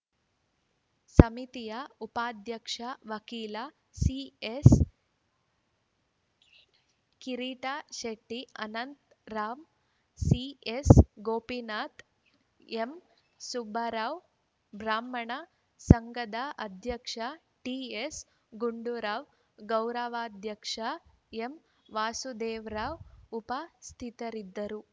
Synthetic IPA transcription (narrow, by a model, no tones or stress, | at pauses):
sɐmit̪ijaupaːd̪ʱjɐkʂaʋɐkiːla | sies | kiɾiːʈaːʃeʈːiɐnɐnt̪ | ɾaːm | siesɡoːpinaːt̪ | em | subʱɐɾaːʋ | bʱɾaːmːɐɳɐ | sɐŋɡɐd̪aʔɐd̪ʱjɐkʂa | ʈiːes | ɡuɳɖuɾaːʋ | ɡɐwɾɐʋaːd̪ʱjɐkʂa | em | ʋaːsud̪eːʋɾaːʋupɐst̪ʰit̪ɐɾid̪ːɐɾu